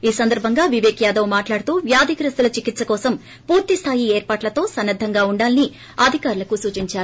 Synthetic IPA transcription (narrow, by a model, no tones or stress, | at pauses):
iːsɐnd̪ɐɾbʱɐŋɡaːʋiʋeːkjaːd̪ɐwmaːʈlaːɽut̪uːʋjaːd̪ikɐɾɐst̪ulɐt͡ʃikit̪sɐkɔːsɐm | puːɾt̪ist̪ʰaːjieːɾpaːʈlɐt̪o̞ːsɐnːɐd̪ʱːɐŋɡaːuɳɖaːlini | ɐd̪ʱikaːɾulɐkusuːt͡ʃiɲt͡ʃaːɾu